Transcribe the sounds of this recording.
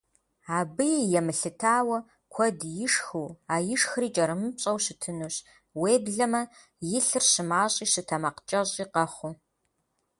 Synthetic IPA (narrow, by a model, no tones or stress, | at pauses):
aːbɨjjɛmɨɬɨtʰaːwɐ | kʷʰɔdjɪʂxuːaːjɪʂxriːt͡ʃʼɐɾɨmɨɕʼɐwɕɨtʰɨnuːɕ | weːbɮɐmɐ | jɪɬɨrɕɨmaːɕʼiːɕɨtʰɐmɐqt͡ʃʼɐɕʼiːqɐχʷu